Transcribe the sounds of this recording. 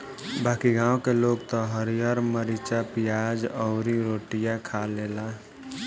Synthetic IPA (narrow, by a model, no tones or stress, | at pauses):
baːkiɡãːwkeloɡt̪ɔɦəɾijəɾməɾit͡ʃapijad͡ʒɔʊɾiɾoʈijakʰalela